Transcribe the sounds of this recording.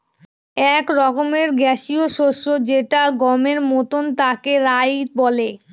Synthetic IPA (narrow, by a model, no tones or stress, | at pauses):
ɛkɾɔkomeɾɡɛʃioʃoʃod͡ʑeʈaɡɔmeɾmot̪ont̪akeɾajbɔle